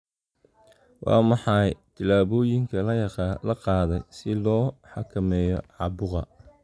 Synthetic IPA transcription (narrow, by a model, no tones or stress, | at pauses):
wɑ̰ːmɑħɑjt̪ʰɪlaːβɔːjɪŋkʰɐlɐjɐqɑlɐqɑːðɛjsɪlɔːħɑkʰɐmɛːjɔ̰ʕɑbʊʁɑ̰